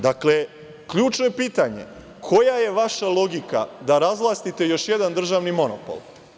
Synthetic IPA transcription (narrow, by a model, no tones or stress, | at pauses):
d̪akle̞ | kʎuːt͡ʃnoje̞piːt̪aɲe̞̰ | kʰo̞jaje̞ʋaʃalˠo̞ɡika̰d̪aɾazʋlˠast̪it̪e̞jo̞ʃje̞d̪and̪r̩ʒaʋnimo̞no̰po̰lˠ